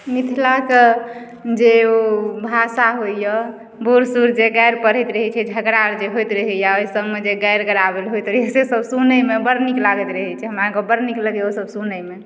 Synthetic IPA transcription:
mit̪ʰilake | d͡ʒeobʱasaɦojjɔ | boɾsuɾd͡ʒeɡajɾpəɾ̤ɛt̪ɾəɦɛt͡ʃʰɛd͡ʒʱəɡɾaɾd͡ʒeɦojt̪ɾəɦɛjaəisə̃ŋɡmed͡ʒeɡajɾɡəɾabelɦojt̪ɾəɦɛsesəbsunəmebəɾniklaɡɛt̪ɾəɦɛt͡ʃʰɛɦəmɾakɔbəɾnikləɡjosəbsunəjme

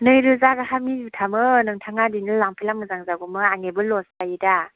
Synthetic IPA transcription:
nɯjɾɯzaɡahamijutʰamɯnɯŋtʰaŋadinɯlaŋpʰilamɯzaŋzaɡumɯaŋebɯlɔspajida

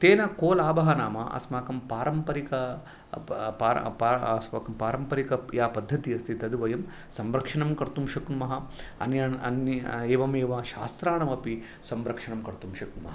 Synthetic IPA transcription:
t̪eːnɐkoːlaːbɐɦɐnaːmɐ̰ʔɐ̰smaːkɐmpaːɾɐmpɐɾikɐ | paːɾ̰paːɐsmaːkɐmpaːɾɐmpɐɾikɐjaːpɐd̪ʱːɐt̪iɐst̪ʰit̪ɐd̪uʋɐjɐm | sɐmɾɐkʂɐɳɐmkɐɾt̪umʃɐknumɐɦɐɐ̰njɐɐ̰neːʋɐmeːʋɐʃa̰ːst̪ɾaːɳɐmɐpi | sɐmɾɐkʂɐɳɐmkɐɾt̪umʃɐknumɐ̰ɦɐ

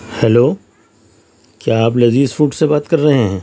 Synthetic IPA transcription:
hɛloː | kjaːplɐziːzfuːʈsebaːt̪kɐɾːɐɦeɦɛ̃ː

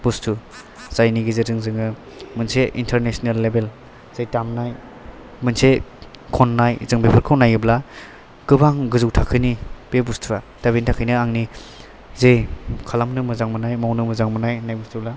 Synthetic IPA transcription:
b̥ustʰu | z̥ajniɡizɯzɯŋzɯŋɯ | mɯnseʔḭntʰeɾnesnalːebel | z̥ejtamnaj | mɯnse | kʰɔnːajzɯŋbepʰɯɾkʰawnajɯbla | kɯbaŋɡɯzuwtʰakʰɯnib̥ebustʰuɾa | taβintʰakʰɯjnɯaŋni | zejkʰalamnɯmɯzaŋmɯnajmawnɯmɯzaŋmɯnajnajbustʰubla

